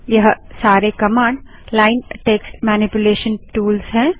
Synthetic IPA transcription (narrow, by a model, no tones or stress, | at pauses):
jɐɦsaːɾekɐmãːɳɖ | laːɪnʈeːksʈmɛːnɪpjʊleːʃənʈuːlsɦɛ̃ː